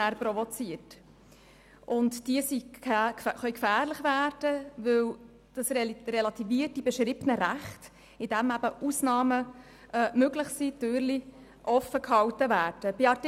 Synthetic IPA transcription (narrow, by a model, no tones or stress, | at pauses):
æɾprɔvɔt͡siət | ʔʊntd̥iəsi | χœʏkfæːrləχvæːrd̥əvɵw | d̥ɑsrelɑt̪iviːtːibɛʃɾibnəɾæχt | ɪd̥æmæbəusnɑːmə | ʔːmøɡlɪχsid̥øːɾli | ʔɔfəkhɑwtəvæːɾd̥əb̥ɪɑrt